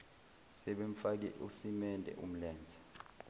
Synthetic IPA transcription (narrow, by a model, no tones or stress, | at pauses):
sɛɓeɱ̩fak̬ɛ̰ʔusimɛndʱɛ̰ʔum̩lɛːnd͡zʱɛ̥